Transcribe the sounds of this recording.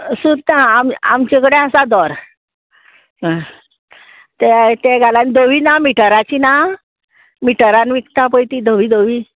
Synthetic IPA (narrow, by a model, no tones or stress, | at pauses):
sud̪nãamamt͡ɕekəɽeasad̪ɔɾ | t̪ɛt̪ẽɡaland̪oʋinamiʈəɾat͡ɕina | miʈəɾanʋikt̪apəjt̪id̪oʋid̪oʋiː